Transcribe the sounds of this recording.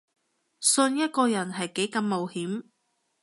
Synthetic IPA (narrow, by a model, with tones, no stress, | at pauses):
sɵ˧njɐ˥t̚kɔː˧jɐ˨˩nɦɐ˨jke˨˥jkɐ˧mːo˨whiː˨˥m